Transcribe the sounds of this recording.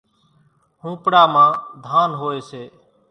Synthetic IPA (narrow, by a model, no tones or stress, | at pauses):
ɦũːpɽaːmãːd̪ʱaːnɦoːeːseː